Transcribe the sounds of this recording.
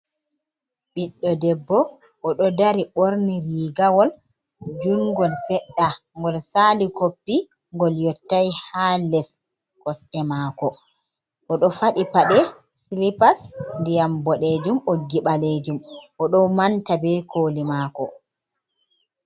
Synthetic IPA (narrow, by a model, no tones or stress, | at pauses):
ɓiɗːɔdɛbːɔ | ʔɔɗɔdaɾiɓoɾniɾiːɡawɔl | d͡ʒuŋɡɔlsɛɗːaŋɡɔlsaːlikopːi | ŋɡɔljɔtːajhalɛs | kɔsɛmakɔ | ʔɔɗɔfaɗipaɗɛ | filipasndijambɔɗed͡ʒumoɡiɓaled͡ʒumʔɔɗɔmantabɛkʰoːlimaːkɔ